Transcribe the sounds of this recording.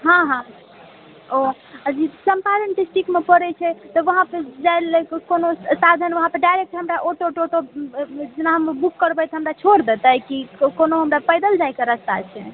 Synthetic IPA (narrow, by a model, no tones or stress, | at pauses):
ɦãɦã | o | əd͡ʒisəmpaɾeɳʈisʈikmepəɾɛt͡ʃʰɛt̪ɔʋəɦãped͡ʒajlekkonosad̪ʱənʋəɦãpəɾɖajɾek̚ʈɦəmɾaʔoʈoʈoʈod͡ʒenaɦəmbukːəɾbɛt̪ɦəmɾat͡ʃʰoɾd̪et̪əjkikonoɦəmɾapəjd̪əld͡ʒajkeɾəst̪a̰t͡ʃʰɛ